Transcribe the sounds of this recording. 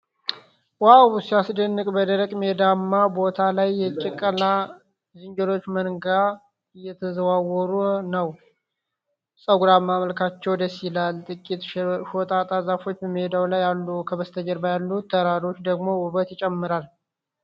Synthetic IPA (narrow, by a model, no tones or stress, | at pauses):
wawsijasd̪ənːɨkʼbəd̪əɾəkʼmed̪amːabo̞t̪ʰalajːɛt͡ʃʼɛkʼːəla | zɨɲd͡ʒəlo̞t͡ʃːmənɡa | ɨjːɛt̪ʰəzəwawɔɾunəw | sʼəɡuɾamːaməlkʰat͡ʃːɛwd̪əsilalt̪ʼɨkʼit̪ʃot̪ʼat̪ʼazafo̞t͡ʃːbəmed̪awlajːalːukʰəβəst̪ʰəd͡ʒəɾbajalːut̪ʰːəɾaɾo̞t͡ʃːd̪əɡmo̞ʊβət̪jɪt͡ʃʼɛmːɨɾal